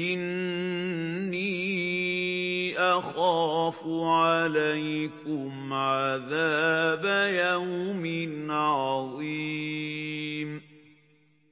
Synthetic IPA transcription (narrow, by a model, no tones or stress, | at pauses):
ʔɪn | iː | ʔaxaːfʊʕalajkʊmʕaðaːbajawmɪnʕɑðˤi | m